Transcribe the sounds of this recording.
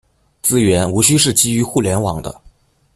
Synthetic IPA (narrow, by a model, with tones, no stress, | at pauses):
t͡sɹ̩˥ɥɛ˧˥nu˧˥ɕy˥ʂɻ̩˥˩t͡ɕi˥y˧˥xu˥˩ljɛ˧˥nwɑ̰˨˩˦ŋd̪ə̰˦